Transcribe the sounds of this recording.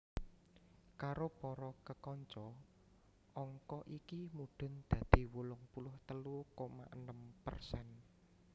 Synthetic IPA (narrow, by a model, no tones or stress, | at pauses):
kaɾopɔɾɔkəkɔɲt͡ʃɔ | ʔɔŋkɔʔikimuɖ̪̥ʊ̤nd̪̥ä̤d̪̥i̤wulʊŋpulʊht̪əlukoma̰ʔənəmpə̰rsɛn